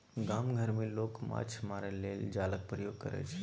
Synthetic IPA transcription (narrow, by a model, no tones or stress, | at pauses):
ɡaːmɡʱəɾmẽloːkma̰ːt͡ʃʰɦɐmaːɾeleːld͡ʒaːlək̚pɾəjoːɡ̚kəɾɛ̰t͡ʃʰ